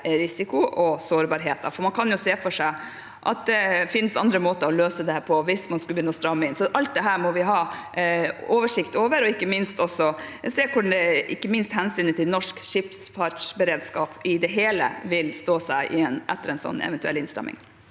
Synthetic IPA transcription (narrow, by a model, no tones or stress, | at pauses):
ɾɪsɪkʊʔɔsoːɾbɑɾɦeːt̪ɑ̰fɔɾmɑnkʰɑnjʊseːfɔʂæɪ | ʔɑ̰t̪̚d̪ɛfɪnsɑ̰nd̪ɾəmoːt̪əɔløːsəd̪ɛhæːɾpʰɔʋɪsmɑnskʉlbjʏnːəɔst̪ɾɑmːəɪnsɔʔɑlt̪̚d̪ɛɦæːɾmɔʋɪɦɑː | oːʋəʂɪkt̪oːʋəɾɔɪkːəmɪnst̪ɔsːɔseːkʊd̪ɛʔɪkːəmɪnst̪hɛnsyːnət̪ʰɪlnɔʂkʃɪpsfɑʈʂbəɾeːd̪skɑːpɪd̪ɛɦeːlə̰ʋɪlst̪oːsæɪʔɪɛnʔɛ̰t̪ːəɾɛɪnsɔ̰nːɛ̰ʋɛnt̪ʉɛ̰lːɪnst̪ɛ̰mːɪ̰ŋ